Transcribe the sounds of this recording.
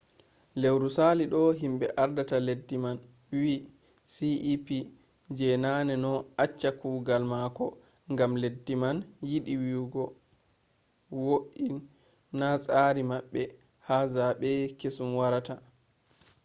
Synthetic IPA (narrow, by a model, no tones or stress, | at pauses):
lewɾusaliɗɔɦimɓɛʔaɾdataledːiman | wi | siʔipi | d͡ʒɛnanɛnɔat͡ʃːakuɡalmakɔ | ŋɡamledːimanjiɗiwiɡɔ | woʔinː | asʼaɾimaɓːɛ | hazaɓɛkesumwaɾata